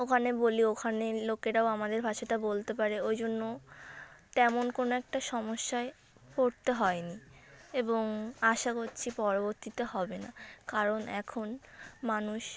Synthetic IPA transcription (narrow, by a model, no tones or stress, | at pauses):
okʰaneboliokʰanelokeʈaoamad̪eɾbʱaʃaʈabolt̪epaɾeojd͡ʑonːo | t̪ɛmonkonoɛk̚ʈaʃɔmoʃːae | poɾt̪eɦɔenieboŋaʃakoɾt͡ɕʰipɔɾoboɾt̪it̪ohɔbenakaɾonɛ̰kʰonmanuʃ